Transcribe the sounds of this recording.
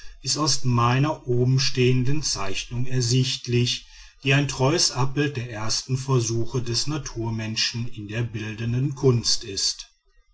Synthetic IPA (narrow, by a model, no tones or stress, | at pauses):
ʔɪstaʊsmaɪnɐʔoːbm̩ʃteːəndənt͡saɪçnʊŋɛɐzɪçtlɪç | v̥iːaɪntʁ̥ɔʏəsʔap̚b̥ɪlt̚d̥eːɐʔeːɐstn̩fɛɐzuːxədɛsnatʰuːɐmɛnʃn̩ɪndeːɐbɪldəndənkʰʊnstɪst